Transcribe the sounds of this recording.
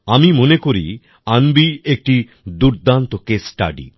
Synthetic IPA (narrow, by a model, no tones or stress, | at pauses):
amimonekoɾḭ | anbiek̚ʈi | d̪uɾd̪ant̪okesʈa̰ɖḭ